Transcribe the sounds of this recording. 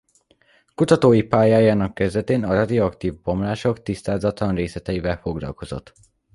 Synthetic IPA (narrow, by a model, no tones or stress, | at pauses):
kut̪ɒt̪oːjipaːjaːjaːnɒkːɛzd̪ɛt̪eːnɒrɒd̪ioɒkt̪iːvbo̞mlaːʃo̞kt̪ist̪aːzɒt̪lɒnreːslɛt̪ɛivɛlfo̞ɡlɒ̰lko̞zo̞̰t̪ː